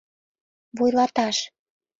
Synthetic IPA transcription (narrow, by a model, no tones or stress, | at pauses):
βujlɑt̪ɑʃ